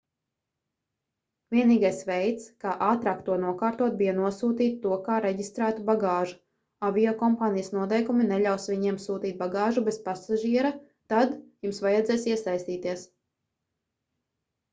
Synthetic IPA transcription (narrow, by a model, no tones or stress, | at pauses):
vʲiɛniːɡajsvɛjt̪skaːʔaːt̪ɾaːk̚t̪uɔnuɔkaːɾt̪uɔt̪̚bijanuɔsuːt̪iːt̪ːuɔkaːɾeɟist̪ɾæːt̪ubaɡaːʒu | avʲiɔkɔmpaːnijəsnuɔt̪̬ɛjkuminɛʎʲawsʋʲiɲiɛmsuːt̪iːt̪̚baɡaːʒubezpasaʒiɛɾa | t̪ad̪jumsvajɛd̪zɛjsiɛsajst̪iːt̪iɛs